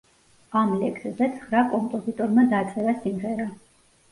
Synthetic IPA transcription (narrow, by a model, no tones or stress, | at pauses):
amlɛkʰszɛt̪sʰχɾakʼɔmpʼɔzit̪ʼɔɾmad̪at̪sʼɛvasimʁɛɾa